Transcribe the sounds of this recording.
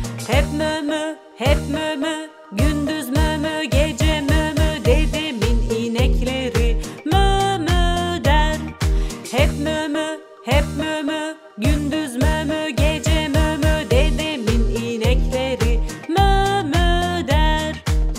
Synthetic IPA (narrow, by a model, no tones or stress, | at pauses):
hɛpmømø | hɛp̚mømø | ɟynd̪yzmømøɟed͡ʒɛmømød̪ed̪ɛminiːnɛcʰlʲeɾimømød̪æɾhɛpmømø | hɛp̚mømø | ɟynd̪yzmømøɟed͡ʒɛmømød̪ed̪ɛminiːnɛclʲeɾimømød̪æɾ